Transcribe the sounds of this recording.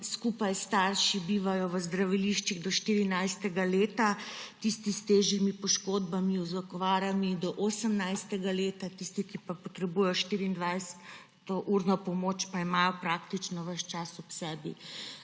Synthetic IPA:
skuːpajst̪aːɾʃibiːʋajɔʋəzd̪ɾaʋiliʃt͡ʃiɣd̪ɔʃt̪iːɾinajst̪ɛɡaleːt̪at̪ist̪ist̪eːʒimipɔʃkoːd̪bamiɔzɔkɔʋaːɾamid̪ɔʔosəmnajst̪ɛɡaleːt̪at̪ist̪ikipapɔt̪ɾɛbuːjɛjɔʃt̪iɾiːnd̪ʋajsɛ̥ | t̪ɔʔuɾnɔpɔmoːt͡ʃpaimaːjɔpɾaːkt̪it͡ʃnɔʋəʃt͡ʃasɔpsɛːbḭ

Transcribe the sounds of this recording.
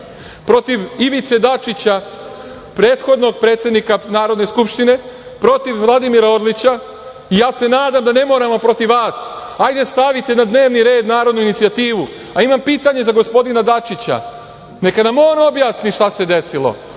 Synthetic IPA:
pɾo̞t̪iʋiʋit̪se̞d̪at͡ʃit͡ɕa | pɾe̞ːt̪xo̞d̪no̞ɡpɾe̞ːt̪sje̞d̪nikanaːɾo̞d̪ne̞skupʃt̪ine̞ | pɾo̞t̪iʋʋlˠad̪imiɾaoɾlit͡ɕa | ijaːse̞naːd̪amd̪ane̞mo̞ːɾamo̞pɾo̞t̪iʋʋaːs | ajd̪e̞st̪aʋit̪e̞nad̪ne̞ːʋniɾe̞ːd̪naːɾo̞d̪nuinit̪siat̪iːʋu | aimampiːt̪aɲe̞zaɡo̞spo̞d̪inad̪at͡ʃit͡ɕa̰ | ne̞kanamoːɾaobjaːsniʃt̪ase̞d̪e̞silˠo̞̰

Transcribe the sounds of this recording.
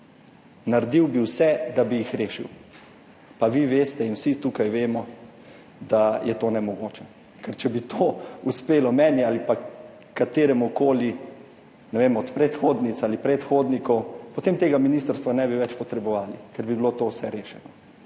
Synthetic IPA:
naɾd̪iwbiwsɛd̪abijixɾeːʃḭw | paʋiʋeːst̪ɛinwsit̪ukajʋeːmɔ | d̪ajʔɛt̪oːnɛmɔɡoːt͡ʃɛ | kɛɾt͡ʃɛbit̪ʰoːuspeːlɔmɛːnialipa | kːat̪eːɾɛmukoːli | nɛʋemɔt̪pɾɛt̪xoːd̪nit̪salipɾɛt̪xoːd̪nikɔwpɔt̪eːmt̪eːɡaminist̪əɾst̪ʋanɛbiʋɛt͡ʃpɔt̪ɾɛbɔʋaːlḭkɛɾbibilot̪owsɛɾeːʃɛnɔ

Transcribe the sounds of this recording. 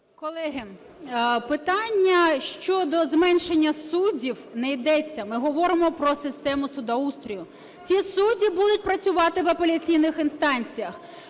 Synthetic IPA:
kɔlˠɛɦɪ | pɪt̪ɑnʲːɐʃt͡ʃɔd̪ɔzmɛnʃenʲːɐsudʲiwnɛjd̪ɛt͡sʲːɐmɪɦɔʋɔɾɪmɔpɾɔsɪst̪ɛmʊsʊd̪ɐust̪ɾʲijʊ | t͡sʲisudʲibud̪ʊt̚ʲpɾɐt͡sʲʊʋɑt̪ɪʋɐpelʲɐt͡sʲijnɪxɪnst̪ɑnʲt͡sʲijɐx

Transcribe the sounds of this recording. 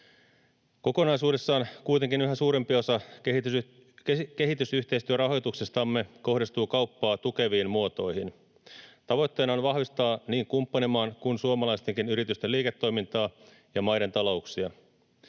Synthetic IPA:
ko̞ko̞nɑjsuːde̞sːɑːnkujt̪e̞ŋkinyɦæsuːɾe̞mpio̞sɑket | kke̞ɦit̪ysyçt̪e̞ist̪yøɾɑɦo̞jt̪uksest̪ɑmːe̞ko̞hdist̪uːkɑupːɑːt̪uke̞ʋiːnmuot̪o̞jhin | t̪ɑʋo̞jt̪ːe̞ːnɑonʋɑhʋist̪ɑːniːŋkumpːɑnemɑːnkunsuomɑlɑist̪eŋkinyɾit̪yst̪eliːket̪ːo̞jmint̪ɑː | jɑmɑjɾe̞nt̪ɑlo̞uksiɑ

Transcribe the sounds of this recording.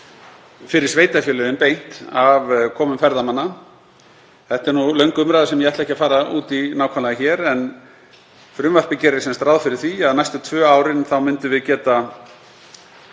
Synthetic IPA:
fɪɾɪɾ̥sveːjt̪afjœːlʏðɪnpejn̥t̪avkʰɔːmʏmfɛɾðamanːa | θɛht̪ɛɾnulœɥŋkʏmɾajðasɛmjɛɛht̪lɛhcɪafaːɾaʔṵːt̪inaːwkʰanlaɪçɛɾɛn | fɾʏmvar̥pɪcɛːɾɪsɛmst̪ɾawðfɪɾɪɾ̥θiaðnajst̪ʏt̪ʰvœːawɾɪnθawmɪnt̪ʏvɪðcɛːt̪a

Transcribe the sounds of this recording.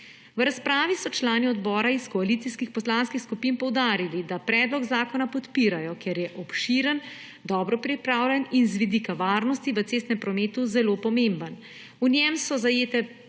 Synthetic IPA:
wɾaspɾaːʋisɔt͡ʃlaːniɔd̪bɔːɾaiskɔalit̪siskixpɔslanskixskupiːnpɔwd̪aːɾilid̪apɾɛd̪lɔɡzaːkɔnapɔt̪piːɾajɔkɛɾjɛʔɔpʃiːɾən | d̪ɔːbɾɔpɾipɾaːwlʲɛninzʋid̪ikaʋaːɾnɔst̪iʋət̪seːst̪nɛmpɾɔmeːt̪uzɛloːpɔmembən | unjɛmsɔzajeːt̪ɛ

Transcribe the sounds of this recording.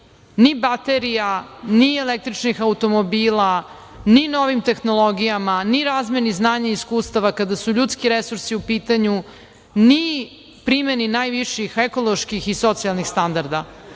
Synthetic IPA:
nibat̪eɾijanielek̚t̪ɾit͡ʃnixaut̪o̞mobiːla | ninoʋimt̪e̞xnolˠo̞ɡijamaniɾaːzmeniznaːɲaiskuːst̪aʋakad̪asuʎut̪skiɾesuɾsiupiːt̪aɲu | ni | pɾimeninaːjʋiʃixekolˠoʃkixiso̞t̪sialˠnixst̪and̪aɾd̪a

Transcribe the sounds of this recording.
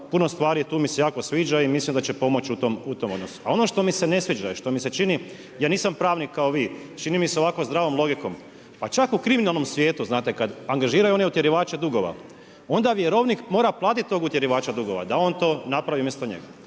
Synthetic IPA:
puno̞st̪ʋaːɾiet̪uːmise̞jaːkosʋiːd͡ʒaimislimd̪at͡ʃepo̞mo̞t͡ɕut̪omut̪o̞mo̞d̪no̞su̥a̰o̞no̞ʃt̪o̞mise̞nesʋiːd͡ʒaiʃt̪o̞mise̞t͡ʃini | jaːniːsampɾaːʋnikːaoʋiːt͡ʃinimiseo̞ʋako̞zd̪ɾaːʋo̞mlˠo̞ɡiko̞m | pat͡ʃakukɾiminalˠnomsʋje̞ːt̪uznaːt̪e̞kad̪aŋɡaʒiːɾajuo̞neut̪jeɾiʋaːt͡ʃed̪uɡo̞ʋa̰ | o̞nd̪aʋjeɾo̞ʋnikmo̞ːɾaplˠaːt̪it̪̚t̪oːɡut̪je̞ɾiʋaːt͡ʃad̪uɡo̞ʋa̰d̪ao̞nt̪o̞ːnapɾaʋiumjest̪oɲḛɡa

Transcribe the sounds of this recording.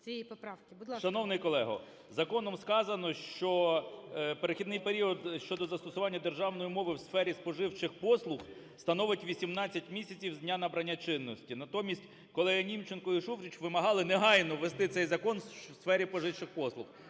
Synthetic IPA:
ijiɔpɾawkʲɪbd̪ˠʃɐnɔwnɪjkɔlˠɛɦɔ̰ | zɐkɔnɔmskɑzɐnɔʃt͡ʃɔ | peɾexʲid̪nɪjpeɾʲiɔd̪ʃt͡ʃɔd̪ɔzɐst̪ɔsʊʋɑnʲːɐd̪erʒɑwnɔjimɔʋɪwsfɛɾʲispɔʒɪwt͡ʃɪxpɔslˠʊx | st̪ɐnɔʋɪtʲʋʲisʲimnɑt͡sʲːɐtʲmʲisʲɐt͡sʲiwdʲnʲanɐbɾɐnʲːat͡ʃɪnːɔsʲtʲinɐt̪ɔmʲisʲtʲ | kɔlˠɛɦinʲimt͡ʃenkɔiʃufɾʲit͡ʃʋɪmɐɦɑlˠɪneɦɑjnɔʋest̪ɪt̪sɛjzɐkɔnwsfɛɾʲipɔʒɪwt͡ʃɪxpɔslˠʊx

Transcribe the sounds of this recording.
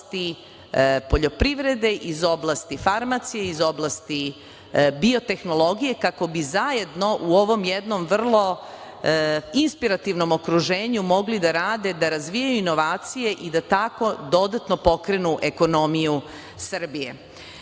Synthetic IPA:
st̪i | po̞ʎo̞pɾiʋɾe̞d̪e̞ʔizo̞blˠast̪ifaɾmat̪sijeizo̞blˠast̪i | bio̞t̪e̞xno̞lˠo̞ɡije̞kako̞bizaje̞d̪no̞ʔuo̞ʋo̞mjed̪no̞mʋr̩lˠo̞ | inspiɾat̪iʋno̞mo̞kɾuʒeːɲumo̞ɡlid̪aɾaːd̪e̞d̪aɾazʋijajuino̞ʋaːt̪sije̞ʔid̪at̪ako̞d̪o̞d̪at̪no̞po̞kɾe̞nuʔe̞ko̞no̞miju | sr̩bije̞

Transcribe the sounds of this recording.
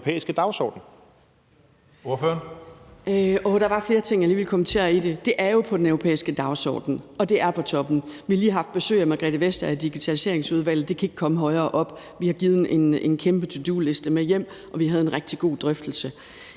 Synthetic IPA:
pʰḛːisɡ̥əd̥ɑ̈ʊsɒ̰ːd̥n̩ | o̝ɐføɐn | ɔd̥ɑ̈ʋɑ̈fle̝ːɐt͡sʰe̝ŋ̰jɑliːʋelkʰɒ̽mən̩t͡sʰe̝̰ɐid̥e̝d̥e̝ʔæɐjo̝pʰɒ̽d̥enœʊʁopʰḛːisɡ̥əd̥ɑ̈ʊsɒ̰ːd̥n̩ɒ̽d̥e̝ʔæɐpʰɒ̽t͡sʰɒ̽b̥n̩ʋihɑliːɦhɑ̈fd̥̚b̥e̝sø̰ːɪæmæɡ̥ʁɛ̰ːd̥əʋesd̥ɐæd̥iɡ̥it͡sʰælise̝ɐ̰eŋsuð̞ˠʋæl̰ð̩ˠd̥e̝kʰæe̝ɡ̥̚kʰɒ̽məɦɒ̽ɪɐːʔɒ̽b̥ | ʋihɑ̈ɡ̥iːð̞̩ˠʔe̝nenkʰemb̥ət͡sʰud̥ṵːlesd̥əmejem̰ | ʔɒ̽ʋiɦæð̞ˠe̝nʁɛɡ̥̚d̥iɡ̥o̝̰ːd̥ʁœfd̥l̩sə

